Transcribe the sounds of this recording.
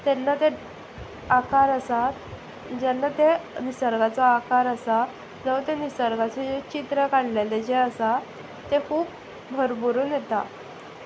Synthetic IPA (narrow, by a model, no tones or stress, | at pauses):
t̪ɛnːat̪e | akaɾəsat̪ | d͡ʑɛnːat̪enisəɾɡat͡sɔakaɾəsa | d͡zəʋt̪enisəɾɡat͡sed͡ʑet͡ɕit̪ɾəkaɳleled͡ʑeəsa | t̪ekʰuːp̚ | bʱəɾbuɾuːnjet̪a